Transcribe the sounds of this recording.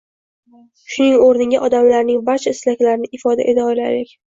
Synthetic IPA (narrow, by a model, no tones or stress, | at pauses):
ʃʊnɪŋoɾnɪaʔɒd̪amlaɾnɪŋbaɾt͡ʃʰaɪslakʲlaɾɪnɪʔɪfɒd̪a̰ʔet̪ʰaɒjlajlekʲ